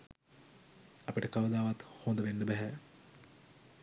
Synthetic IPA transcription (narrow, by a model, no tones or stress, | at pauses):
ɐpiʈəkaʋəd̪aːʋat̪hond̪əʋenːəbæɦæ